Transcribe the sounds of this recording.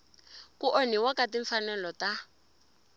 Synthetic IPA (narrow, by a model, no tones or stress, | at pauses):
kuʔɔniwakatiɱfanɛlɔta